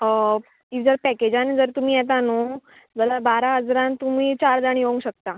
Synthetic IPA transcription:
iʋd͡zəɾpɛked͡ʑand͡zəɾt̪um̤iːjɛt̪̬ano | d͡zəlabaɾaɦəd͡zɾãnt̪um̤iːt͡ɕaɾd̪aɳjoũŋɡɕək̚t̪a

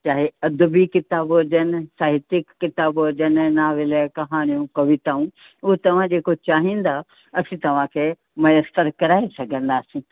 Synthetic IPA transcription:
t͡ɕaːɦeɐd̪bikɪt̪aːbɐd͡ʒənsaːɦɪt̪ɪkːɪt̪aːbɦɐd͡ʒənnaːʋɪlekɐɦaːɽ̃ijũkɐʋɪt̪aːũ | ʊɦet̪ɐʋ̤ãd͡ʑeːkot͡ɕaːɦĩːn̆d̪a | ɐsĩt̪ɐʋ̤ãkʰe | mɐjəst̪əɾkɐɾaːesɐɡʱə̃nd̪aːsĩː

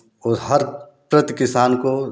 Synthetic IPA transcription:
ɔːɦɐɾ | pɾət̪kɪsaːnko

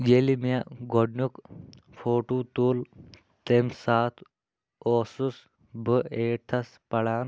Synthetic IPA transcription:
jeːlimaɡʱoɖnuk | fʰoːʈuːt̪uːl | t̪emsaːt̪ʰ | oːsus | bəeːʈʰɐs | pɐɽaːn

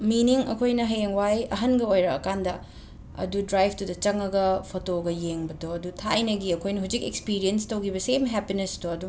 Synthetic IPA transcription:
miniŋɐ̰kʰojnɐɦeŋwajɐɦɐnɡɐojɾɐkɐkandɐ | ɐ̰dudɾajbʰtudɐt͡ʃɐŋɐɡɐpʰotoɡɐjeŋbɐdoɐdutʰajnɐɡiɐkʰojnɐɦud͡ʒikekspiɾienstɐwɡibɐsemɦɛpinestoɐdu

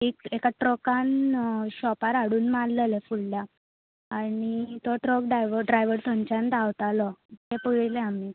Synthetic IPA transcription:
ekekaʈɾɔkanɕɔpaɾaɽuːnmalləlefuɽlja | anit̪ɔʈɾɔkɖajʋəɖɾajʋəɾt̪ʰoɲt͡ɕant̪aʋt̪alɔt̪epəɡeleami

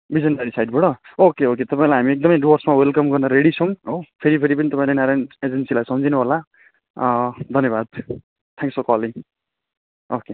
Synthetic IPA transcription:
bid͡zʌndaɾisajɖ̚bʌɽʌokeoket̪ʌpaĩlajɦamiek̚d̪ʌmʌjɖwʌrsmawelkʌmɡʌrnʌɾeɽit͡sʰʌw̃opʰeɾipʰeɾipʌnit̪ʌpaĩlenaɾaned͡zensilajsʌmd͡zʱinũɦola | d̪ʱʌnjebad̪̚ | t̪ʰãŋksokʌli | oke

